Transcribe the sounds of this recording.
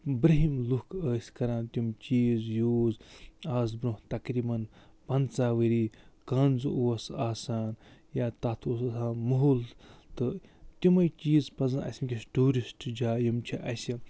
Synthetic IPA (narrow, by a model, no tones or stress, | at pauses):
bɾɐɦimlukʰəːsʲkɐɾãːnt̪ʲumt͡ʃiːzjuːzaːz̬bɾuht̪ɐkɾiːbɐnpɐnt͡saːʋɐɾiːkɐnzɨuwɐsaːsaːnjaːt̪at̪ʰuːsɐsaːnmɐɦult̪ɨt̪ʲimɐjt͡ʃiːzpɐzɐnɐ̰sʲimʲkʲisʈuːɾisʈd͡ʒaːjɐmt͡ʃʰiʔɐsʲi